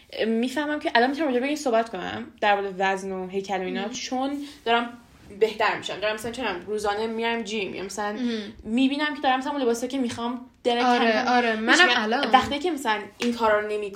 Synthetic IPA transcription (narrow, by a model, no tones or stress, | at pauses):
mːiːfæhmæmcʰeʔælɒnmisæmɾɔd͡ʒebeiːmsohbæt̪kʰonæ̰md̪̥æɾvɒːd̪evæznoɦe̞jcʰæloiːnɒːt̪t͡ʃʰond̪ɒːɾæm | beht̪æɾmḭʃæmd̪ɒɾæmːæsælænt͡ʃʰenæmɾuːzɒːnemiɾæmd͡ʒimḭjɒ̰mæsælænmiːbiːnæmcʲʰe̞d̪ɒːɾæmːæsælæmunlebɒːsɒːjcʰemixɒm | d̪̥eɾæeɒɾemænælvæxt̪icʰemæsælænʔiŋkʰɒːɾɒːɾone̞mid̪